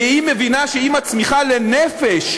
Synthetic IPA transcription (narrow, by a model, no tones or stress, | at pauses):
imevinaʃeimat͡smiχalenefeʃ